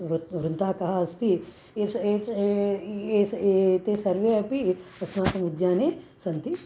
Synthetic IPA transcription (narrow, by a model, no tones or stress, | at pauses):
ʋɾunt̪aːkɐɦɐɐst̪i | ee | eːst̪eːsɐɾʋeːɐpiɐsmaːt̪ɐmud̪jaːneːsɐnt̪i